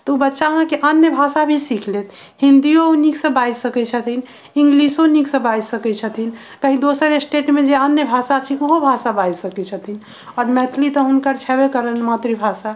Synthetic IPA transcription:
t̪ɔubətːʃaɦãkeʔənjəbʱasabʱisikʰlet̪ʰ | hĩnd̪ijouniksə̃bajsəkɛt͡ʃʰət̪ʰin | ĩŋɡlisoniksə̃bajsəkɛt͡ʃʰət̪ʰin | kəɦid̪osəɾesʈeʈmẽd͡ʒeənjəbʱasat͡ʃʰioɦobʱasabajsəkɛt͡ʃʰət̪ʰin | ɔːɾmɛt̪ʰlit̪ɔɦunkəɾt͡ʃʰɛbekəɾənmat̪ɾibʱasa

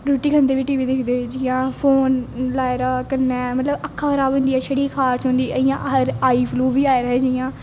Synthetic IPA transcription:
ɾoːʈiːkʰənd̪eːʋiːʈiːʋiːd̪ɪkʰd̪eːd͡ʒɪjãːfʰoːnlaːɪɾaːkəɾnːɛːmət̪ləbəkʰːaːkʰəɾaːbʊ̃nd̪iːɛːʃəɽiːkʰaːɾt͡ʃɦõːnd̪iːəɪjãːʔɾaːiːpʰluːʋiːaːiɾəɦɛːd͡ʒɪjãː

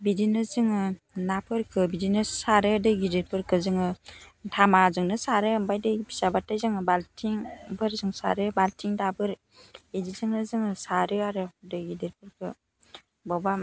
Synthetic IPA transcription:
bidinɯzɯŋɯ | napʰɯɾkʰɯbidinɯsaɾɯdɯɡideɾpʰɯɾkʰɯzɯŋɯtʰamazɯŋnɯsaɾɯːmbajdɯbi̥sabatːajzɯŋɯbaltʰiŋbɯɾzɯŋsa̰ɾɯbaltʰiŋdabɯɾ | edizɯŋnɯzɯŋɯsaɾɯaɾɯdɯɡidiɾpʰɯɾkʰɯ̰ | bɔba

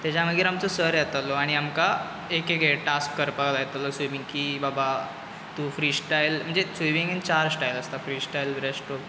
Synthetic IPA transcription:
t̪jat͡ɕaməɡiɾamt͡sɔsəɾjat̪alɔaɽ̃iamka | ekekeʈaskːəɾpalajet̪alɔsoʋiŋkibaba | t̪ufɾiːsʈajlm̤əɳd͡zesuʋiŋɡənt͡ɕaɾsʈajləst̪afɾiːsʈajlbɾesʈo

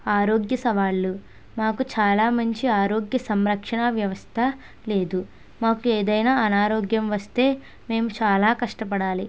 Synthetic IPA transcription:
aːɾo̞ːɡjɐsɐʋaːɭːu | maːkut͡ʃaːlaːmɐɲt͡ʃiaːɾo̞ːɡjɐsɐmɾɐkʂɐɳɐʋjɐʋɐst̪ʰɐ | le̞ːd̪u | maːkueːd̪ɐjnaːɐnaːɾo̞ːɡjɐmʋɐst̪e̞ː | me̞ːmut͡ʃaːlaːkɐʂʈɐpɐɽaːli

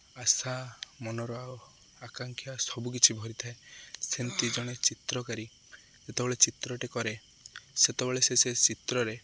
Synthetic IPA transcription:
asamɔnɔɾɔao | akaŋkʰijasɔbuk̬it͡ʃʰibʱɔɾit̪ʰaesent̪id͡ʒɔɽ̃et͡ʃit̪ɾɔkaɾi | d͡ʒet̪ebeɭet͡ʃit̪ɾɔʈekɔɾe | set̪ebeɭeseset͡ʃit̪ɾɔɾe

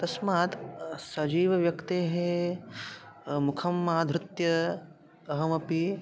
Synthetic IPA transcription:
t̪ɐsmaːt̪sɐd͡ʒiːʋɐʋjɐkt̪eːɦe | mukʰɐmːaːd̪ʱɾut̪jɐː | ɦɐmɐpi

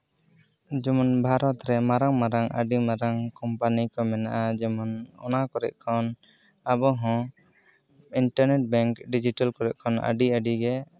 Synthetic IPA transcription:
d͡ʒɔmɔnbʱaɾɔt̪ɾɛmaɾaŋmaɾaŋʔa̰ɖimaɾaŋkɔmpanikɔmɛnaʔad͡ʒɔmɔnɔ̰nakɔɾɛ̰ʔ̚kʰɔn | abɔɦɔ̃ | iɳʈaɾnɛʈ̚bɛŋkɖid͡ʒiʈalkɔɾɛʔ̚kʰɔna̰ɖiaɖiɡɛ

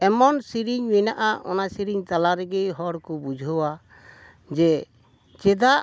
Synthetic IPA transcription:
ɛmɔnsiɾiɲminaʔaʔɔ̰nasiɾiɲt̪alaɾɛɡijɦɔɾkubud͡ʒʱɔwa | d͡ʒɛ | t͡ʃɛd̪a

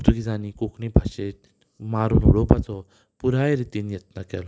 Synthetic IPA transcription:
t̪ukid͡zanikokʰɳibʱaɕet̪̚ | maɾuːnṵɽopat͡sɔ | puɾajɾit̪iːnjet̪̚nakɛ̰lɔ

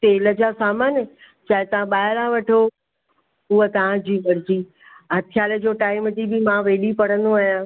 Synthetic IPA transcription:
t̪eːləd͡ʑaːsaːmaːnə | t͡ɕaːɦɪt̪ɐʋ̤ãɓaːɦɪɾaʋɐʈʰo | uɦət̪ɐʋ̤ãd͡ʑiːʋɐɾɪd͡ʑiː | ɦɐt̪ʰɪjaːləd͡ʑoːʈaːɪmət̪ibɪmãʋeːɗipɐɽ̤ə̃nd̪oaːjã

